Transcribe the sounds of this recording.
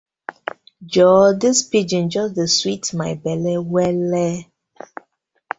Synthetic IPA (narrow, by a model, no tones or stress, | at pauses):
d͡ʒɔdispid͡ʒĩnd͡ʒɔsdəswitmaɪbɛlɛwɛlɛ